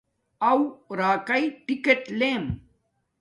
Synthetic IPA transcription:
ɐwɾaːkɐɪʈɪkːeʈleːm

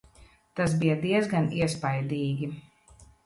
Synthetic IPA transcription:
t̪asbijɐd̪iɛzɡaniɛspajd̪iːɡʲi

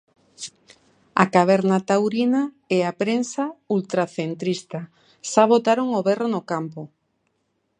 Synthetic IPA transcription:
a̰kaβ̞ɛɾnat̪awɾina | eapɾensault̪ɾaθent̪ɾist̪a | ʃaβot̪aɾoŋoβɛrenokampʊ

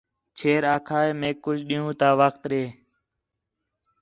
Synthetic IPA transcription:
t͡ʃʰeːɾaːkʰaːeːmẽːkːʊd͡ʒɗiːũːt̪aːʋəkt̪ɾeː

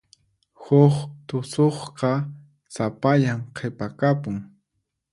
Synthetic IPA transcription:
hʊχt̪ʊsoχqɑ | sapaʎamqʰepakapʊŋ

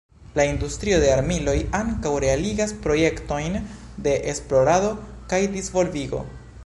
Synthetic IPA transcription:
laindustɾio̞de̞aɾmilo̞jaŋkawɾe̞aliɡaspɾo̞je̞kto̞jn | de̞ʔesplo̞ɾado̞kajdizvo̞lviɡo̞̰

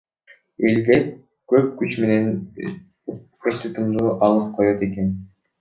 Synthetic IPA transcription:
eld̪ep | køp̚kyt͡ʃme̞ne̞n | est̪yt̪umd̪uʔɑlˠɯp̚qʰojot̪e̞ken

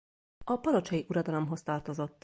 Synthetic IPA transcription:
ɒpɒɾo̞t͡ʃɒjiʔuɾɒd̪ɒlomɦo̞st̪ɒːrt̪ozo̞t̪ː

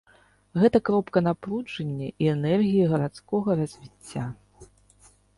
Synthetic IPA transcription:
ɣɛt̪ɐkɾɔpkɐnaplˠud͡ʐɐnʲːɐʔiɛnɛrɣʲijɐɣɐɾat̪skɔɣɐɾɐzʲvʲit͡sʲːa

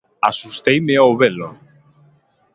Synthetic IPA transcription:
a̰sust̪ejmeawβelo

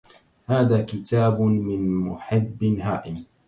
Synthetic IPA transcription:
haːðaːkɪt̪aːbʊmɪnmʊ̰ħɪbːɪnɦaːʔɪm

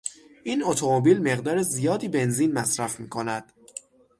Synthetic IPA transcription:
ʔiːno̞t̪ʰomobiːlme̞ɣd̪ɒːɾezijɒːd̪iːbe̞nziːnmæsɾæfmiːkʰo̞næd̪̥

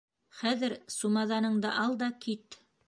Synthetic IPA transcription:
χæðɘɾsumɑðɑnɤ̆ɴd̪ɑʔɑlˠd̪ɑkit̪

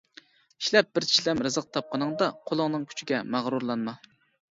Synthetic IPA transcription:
i̥ʃlɛp̚b̥ɪɾt͡ʃʰi̥ʃlɛmɾɨzəq̚t̪ʰɑp̚qʰɑnɨŋd̪ɑqʰolˠʊŋnɨŋkʲʰy̥t͡ʃʰiɡʲɛmæʁɾuɾlˠɑnmɑ

